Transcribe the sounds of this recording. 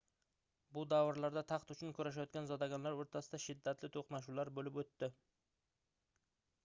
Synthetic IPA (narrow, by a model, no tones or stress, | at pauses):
bʊd̪awɪɾlaɾd̪at̪ʰɑqt̪ʊt͡ʃʰʊnkʲʰɵɾaʃ̬ajɒt̪̚kʲanzɒd̪aɡʲanlaɾwoɾt̪ʰasɪd̪aʃɪd̪ːat̪lɪt̪ʰoqnaʃ̬ulaɾbɵlɪpwɵt̪ːɪ